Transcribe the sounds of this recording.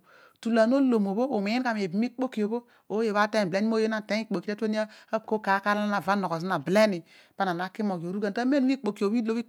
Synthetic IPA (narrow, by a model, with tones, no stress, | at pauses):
tu˨la˨no˦lo˨mo˨bo˦o˨mi˨˦i˦ka˨m˨e˨bi˨mi˦k͡po˦ki˨o˨bo˦ | o˦je˨βa˦te˦n˨ble˦i˦mo˦je˦na˦˨te˦i˦k͡po˨ki˨te˦to˦ni˦a˦a˦˨ko˦ka˨˦ka˦ɾa˦na˨va˦no˨ko˨s̬i˦na˨ble˦ni˨ | pa˦na˨na˨˦ki˦mo˨ɡo˨ɾu˦ɡa˨n˦ta˦me˦n˦i˦k͡po˨ki˨o˨wi˦lo˦i˦